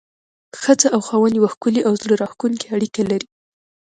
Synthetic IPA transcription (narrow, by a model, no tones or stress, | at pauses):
xəd͡zaʔawxɑwanjwaxkuliʔawzɽəɾɑxkuŋkiaɽikalaɾi